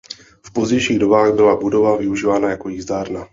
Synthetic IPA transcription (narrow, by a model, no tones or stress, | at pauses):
fpo̞zɟɛjʃiːɣdo̞baːɣbɪlabudo̞vavɪuʒiːvaːnajako̞jiːzdaːɾna